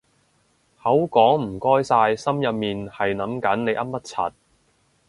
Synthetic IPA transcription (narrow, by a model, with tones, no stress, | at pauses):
hɐ˨˥wkɔː˨˥ŋm̩˨˩kɔː˥jsaː˧jsɐ˥mjɐ˨p̚miː˨nhɐ˨jnɐ˨˥mkɐ˨˥nne˨˧jʔɐ˥p̚mːɐ˥t̚t͡sʰɐ̰˨t̚